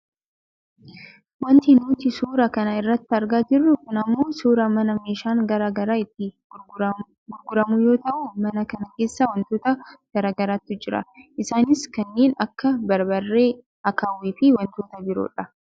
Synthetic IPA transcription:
wɐnt̪ɪnuːt̪ɪsuːɾɐkɐnɐɪrːɐt̪ːɪɐɾɡaːd͡ʒɪrːʊkʊnɐmːoːsuːɾɐmɐnɐme̞ːʃaːŋɡɐɾaːɡɐɾaːɪt̪ːɪ | ɡʊɾɡʊɾɐmʊjo̞ːt̪ɐʔʊmɐnɐkɐnɐke̞ːsːawɐnt̪oːt̪ɐɡ̥ɐɾaːɡɐɾaːt̪ːʊd͡ʒɪɾɐ̰ʔɪsaːnɪskɐnːeːnɐkːɐbɐɾbɐrːe̞ː | ɐkaːwiːfɪwɐnt̪o̞ːt̪ɐbɪɾo̰ːᶑɐ

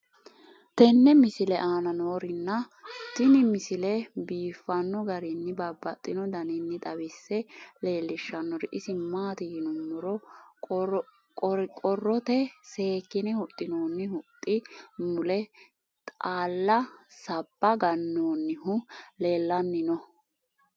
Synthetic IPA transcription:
t̪ɛnːɛmɪsɪlɛʔaːnɐnoːɾɪnːɐ | t̪ːɪnɪmɪsɪlɛbiːfːɐnːɔɡɐɾɪnːɪbɐbːɐt̪ʼːɪnɔd̪ɐnɪnːɪt̪ʼɐbɪsːɛle̞ːlːɪʃːɐnːɔɾɪʔɪsɪmaːt̪ɪjɪnʊmːʊɾɔ | kʼɔɾkʼɔrːɔt̪ɛse̞ːkːɪnɪhʊt̪ʼːɪnoːnːɪhʊt̪ʼːɪmʊlɛ | t̪ʼaːlːɐsɐb̥ːɐɡɐnːoːnːɪhʊle̞ːlːɐnːɪnɔ

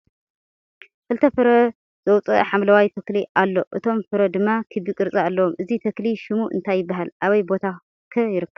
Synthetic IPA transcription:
kɨlt̪ʰɐfɨɾɐ | z̥ɐwt͡sʼɐħamlɐwajt̪ʰɐkliʔalːo̞ʔɨt̪ʰo̞mfɨɾɐd̪ɨmːakʰɨβikʼɨɾt͡sʼaalːɐwomʔɨzit̪ʰɐkliʃɪmuʔɨ̰nt̪ʰajːɪbːaɦalʔaβɐjbo̞t̪ʰa | kʰɐjɪɾɨkʰːɐβ

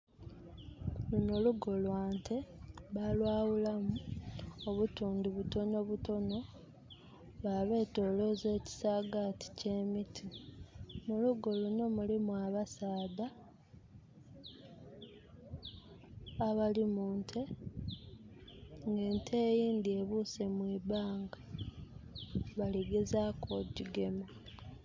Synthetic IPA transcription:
lunoluɡo̞lwaːntʰe̞βalwaːwulamuoβutuːndiβuto̞no̞βuto̞no̞ | βaːβe̞ːto̞ːlo̞ze̞ːci̥saːɡati̥ce̞mitʰi | muluɡo̞luno̞mulimwaβasaːda | βalimuːntʰe̞ | ŋɡe̞ːntʰeːjiːnd̪ie̞βuse̞mwiːbaːŋɡa | βaliɡe̞zaːkoɟiɡe̞mo

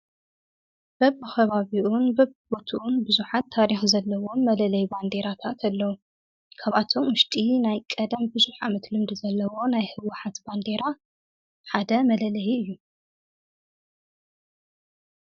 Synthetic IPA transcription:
b̥ɐβxɐβaβiʔunbɐβbot̪ʰuʔunbɨzuħat̪ʰːaɾixzɐlːɐwomɐlɐlɐjband̪e̞ɾat̪ʰat̪ʰɐlːɐwu | kʰaβat̪ʰo̞mwʊʃt̪ʼinajkʼɐd̪ɐmbɨzuħamɐt̪lɨmd̪ɨzɐlːɐwo̞najhɨwʊħat̪band̪e̞ɾa | ħad̪ɐmɐlɐlɐjiɨjːu

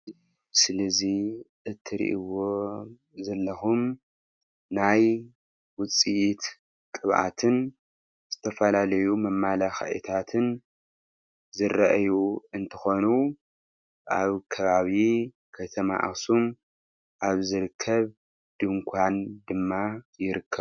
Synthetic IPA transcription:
sɨlɐziʔɨt̪ʰːɨɾḭʔiwo | zɐlːɐxum | naj | wʊt͡sʼijit̪ | kʼɨβʔa̰t̪ʰɨn | z̥ɨt̪ʰɐfɐlalɐjumɐmːalaxa̰ʔḭt̪ʰat̪ʰɨn | zɨrɐʔjuɨnt̪ʰɐxo̞nu | ʔaβkʰɐβaβi | kʰɐt̪ʰɐma̰ʔa̰sum | ʔaβzɨɾɨkʰːɐβ | d̪̥ɨŋkʷʰand̪ɨmːajɪɾɨkʰːɐβ

